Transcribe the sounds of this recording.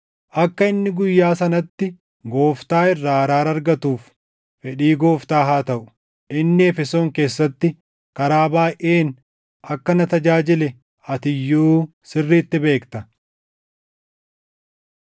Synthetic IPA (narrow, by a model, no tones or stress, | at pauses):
ʔɐkːɐɪnːɪɡʊjːaːsɐnɐt̪ːɪ | ɡo̞ːft̪aːɪrːaːɐɾaːɾɐɾɡɐt̪uːf | fɛᶑiːɡo̞ːft̪aːɦaːt̪ɐʔʊ̥ | ʔɪnːɪɛfɛso̞ːŋke̞ːsːɐt̪ːɪ | kɐɾaːbaːʔeːn | ʔɐkːɐnɐt̪ɐd͡ʒaːd͡ʒɪlɛ | ɐt̪ɪjːuː | sɪrːiːt̪ːɪbe̞ːkt̪ɐ